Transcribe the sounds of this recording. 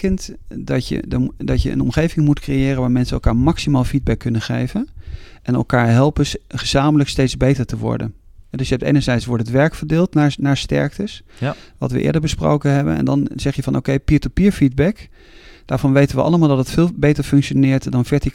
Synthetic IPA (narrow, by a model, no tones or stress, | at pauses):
kəntdɑcə̰dədɑcjə̰ə̰nɔmχejvɪŋmutkrejɪːrənʋaːɹmɛnsənɛ̰lˠkaːɹmɑksimaːlˠfid̚bɛkʰːɵnənχḛjvənʔɛnɛ̰lˠkaːɹɦɛlˠpəχəz̥aːmələkstejtzbejtəɹtəʋɔ̰ɹdə̰n | ɦɛdɵsjəɛptḛjnəɹzɛjtsʋɔɹtətʋɛɹkfəɹdɪːlˠtnaːɹnaːɹstɛ̰ɹk̚təsʋɑ̰tʋə̰ʔɪ̰ːɹdəɹbəspro̰wkənɦɛbə̰nɛ̰ndɑnz̥ɛχjəvɑnʔo̰wkejpitopiːɹfid̚bɛk | d̥aːɹvɑnʋejtənʋəʔɑ̰lˠəmaːlˠdɑtdətfɪːlˠbejtəɹfɵŋkʃonɪːɹtdɑnfɛɹti